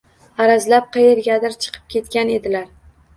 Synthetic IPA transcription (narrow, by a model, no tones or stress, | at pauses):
aɾazlap̚qʰɨjeɾɡʲad̪ɪɾt͡ʃʰɨ̥qʰɨ̥p̚kʲʰe̞t̪̚kʲane̞d̪ɪlaɾ